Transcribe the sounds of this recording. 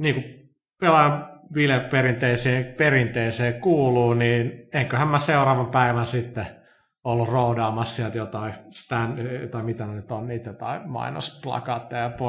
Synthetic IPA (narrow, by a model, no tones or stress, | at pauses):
niːku | pelɑjɑʋilepperint̪eiseːperint̪eiseːkuːluːniːneŋkøhæmmæseurɑːʋɑmpæiʋænsit̪ːe | olːurroudɑːmɑssiælt̪jot̪ɑist̪ænt̪ɑimit̪ænenyt̪onniːt̪jot̪ɑimɑ̰ino̰splɑ̰kɑt̪ːɑjɑpo